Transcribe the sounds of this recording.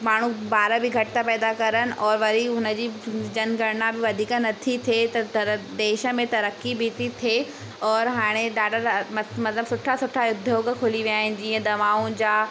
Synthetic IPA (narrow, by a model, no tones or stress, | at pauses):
maːɳ̤ubaːɾəbɪɡʱɐʈɪt̪apɛːd̪akɐɾənɪ̆ʔɔːɾʋɐɾiʊnə̆d͡ʑiːd͡ʑɐnɡʱɐɽnabɪʋɐd̪ʱiːkənɐt̪ʰit̪ʰet̪ɐd̪eːʃə̆mẽt̪ɐɾəkːibiːt̪it̪ʰeː | ɔːɾɦaːɽ̃eɖaːɖʱəɾmɐmɐt̪ləbsʊʈʰasʊʈʰajʊd̪ʱːokekʰʊliʋiaːɦɪ̃nɪ̆d͡ʑiːə̃d̪ɐʋaːũd͡ʑaː